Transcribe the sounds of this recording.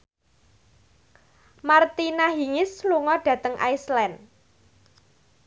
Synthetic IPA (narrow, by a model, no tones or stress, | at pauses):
mart̪inaɦiŋɪsluŋɔɖ̥ä̤t̪əŋʔa̰jslɛn